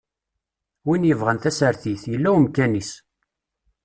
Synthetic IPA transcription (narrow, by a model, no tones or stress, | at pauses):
winjəvʁənθæsəɾθiθjəlːæwmkænis